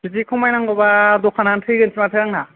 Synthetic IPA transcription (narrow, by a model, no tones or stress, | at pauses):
izikʰɔmajnaŋɡɔbadɔkʰanantʰɯjɡɯnsʰimatʰɯjɾaŋna